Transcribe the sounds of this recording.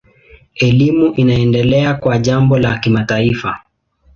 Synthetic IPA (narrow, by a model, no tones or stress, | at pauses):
ɛlimuʔinaɛndɛlɛakwaʄambɔlakimataifa